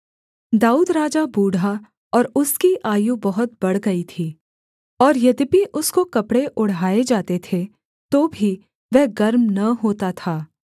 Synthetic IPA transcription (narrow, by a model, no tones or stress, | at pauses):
d̪aːuːd̪ɾaːd͡ʒabuːɽʱa | ɔːɾʊskiʔaːjũbɐɦʊt̪̚bɐɽ̤ɡɐit̪ʰiː | ɔːɾjɐd̪ibʱiʔʊskokɐpɽeʔʊɽ̤aːed͡ʒaːt̪et̪ʰe | t̪oːbʱi | ʋɛɦɡɐɾmnɐɦoːt̪at̪ʰaː